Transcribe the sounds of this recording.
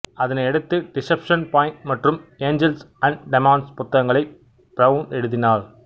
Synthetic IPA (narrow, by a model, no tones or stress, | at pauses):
ɐðɐnɐɪɛɽɯt̪ːɯɖɪsɛpʂɐnpaːjɪnʈmɐʈrɯmeːɲd͡ʒɛlsɐɳɖɖɪmaːnɖspʊt̪ːɐɣɐŋɡɐɭɐɪ | bɾɐʋnɛɽɯðɪnaːɭ